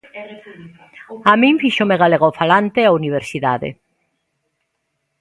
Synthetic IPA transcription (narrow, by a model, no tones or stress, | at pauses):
amĩɱfiʃomeɣaleɣaofalant̪eauniβ̞eɾsiðaðḛ